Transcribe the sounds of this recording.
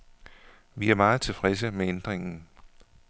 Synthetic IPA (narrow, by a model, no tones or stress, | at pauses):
ʋiæɐmɑ̈ːð̩ˠt͡sʰe̝fʁɛs̬əmeend̥ʁeŋn̩